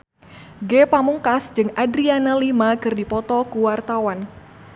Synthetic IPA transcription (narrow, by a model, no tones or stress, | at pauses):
ɡepamuŋkasd͡ʒɨŋadɾianalimakɨrdipɔt̪ɔkuwart̪awan